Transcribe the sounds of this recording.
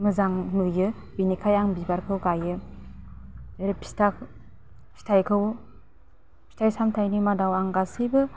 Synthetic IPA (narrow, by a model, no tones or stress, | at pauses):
mɯzaŋnɯjɯ | binikʰajaŋbibaɾkʰɯwɡajɯ | ɾepʰi̥stak | si̥tʰajkʰɯw | sʰi̥tʰajsamtʰajnimadawaŋɡasɯjbɯ